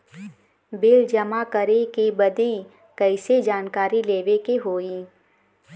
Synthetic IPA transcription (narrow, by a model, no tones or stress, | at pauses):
bɪld͡ʒɐmakəɾekebɐd̪i | kɛɪsed͡ʒaːnkaːɾileːʋekeɦoːiː